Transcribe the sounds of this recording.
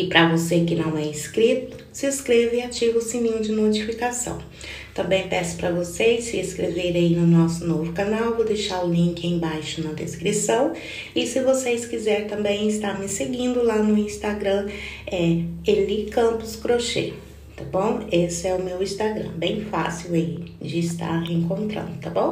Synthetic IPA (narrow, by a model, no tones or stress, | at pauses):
ɪpɾʔɐvosekɪnɐ̃w̃ɛiskɾit̪ʊ̥ | sɪskɾevɪat͡ʃivʊʊsĩmĩd͡ʒɪnot͡ʃifikasɐ̰̃w̃ | t̪ɐ̃mbẽj̃pɛsʊ̥pɾɐvosejsɪeskɾeveɾ̃ainʊnɔsʊnovʊkanawvod̪ejʃaɾʊlĩŋkɪẽj̃bajʃʊnɐd̪ḛskɾisɐ̃w̃ | ɪsɪvosejskizɛɾt̪ɐ̃mbẽj̃ɪst̪aɾmɪseɡĩnd̪ʊlanʊĩst̪aɡɾɐ̃ɛelikɐ̃mpʊskɾoʃḛ | t̪abõw̃esɪɛʊmewĩst̪aɡɾɐ̰̃bẽj̃fa̰siwaid͡ʒɪːst̪a̰ɾheẽŋkõnt̪ɾɐ̰̃nd̪ʊt̪abõw̃